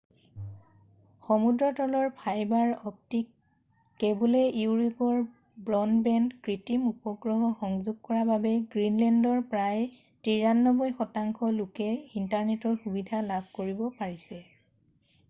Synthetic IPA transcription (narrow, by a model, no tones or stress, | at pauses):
xɔmudɹɔtɔlɔɹpʰajbaɹɔp̚tik̚ː | ɛbolɛuɹipɔɹ | bɹɔnbɛndkɹitimupɔɡɹɔɦɔxɔŋzʊɡ̚kɔɹababɛɡɹinlɛndɔɹpɹaj | tiɹanːɔbɔjxɔtaŋkʰɔlʊkɛintaɹnɛtɔɹxubidʱalabʱkoɹibɔpaɹisɛ